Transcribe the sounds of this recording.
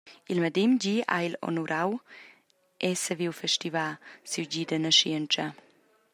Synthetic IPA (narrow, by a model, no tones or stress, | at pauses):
ilməd̪imɟiːa̰ilo̰nuɾʔaw | ʔɛsəviwfɛʃtivasiwɟiːd̪ənəʃiənt͡ʃə